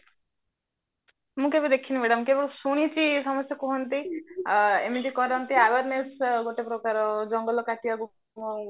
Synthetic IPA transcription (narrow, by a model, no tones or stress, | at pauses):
mũkebid̪ekʰinimeɽamkebɔɾusuɽ̃it͡ʃisɔmɔsjɔkuɦɔnt̪i | emid͡ʒikɔɾɦɔnt̪iaʋaɾnesɡoʈepɾɔkaɾɔd͡ʒɔŋɡɔlɔkaʈiaɡu